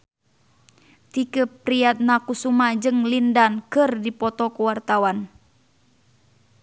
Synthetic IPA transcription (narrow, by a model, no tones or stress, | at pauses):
t̪ikəpɾiat̪̚nakusumad͡ʒɨŋlindankɨrdipɔt̪ɔkuwart̪awan